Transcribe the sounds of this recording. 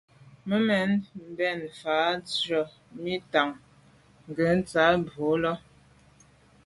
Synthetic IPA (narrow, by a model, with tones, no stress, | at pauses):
mə˦mɛ˨˦nm̩˨bɛ˦˨nfaː˨˦t͡sɔ˨ | mi˦ta˨ŋ | ŋ˨ɡə˨˦n̩˦t͡sa˨˦bo˨˦lɔ˦